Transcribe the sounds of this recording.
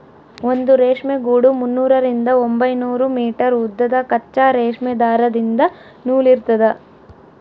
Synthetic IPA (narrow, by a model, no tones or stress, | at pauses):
ond̪uɾeːʂmeɡuːɽumunːuːɾɐɾind̪ɐombɐjnuːɾumiːʈɐɾud̪ːɐd̪ɐkɐt͡ʃːaːɾeːʂmed̪aːɾɐd̪ind̪ɐ | nuːliɾt̪ɐd̪ɐ